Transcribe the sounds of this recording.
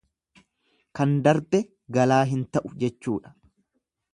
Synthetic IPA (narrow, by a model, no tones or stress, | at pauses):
kɐnd̪ɐɾb̪ɛ | ɡɐlaːɦɪnt̪ɐʔʊd͡ʒɛt͡ʃːuːᶑɐ̥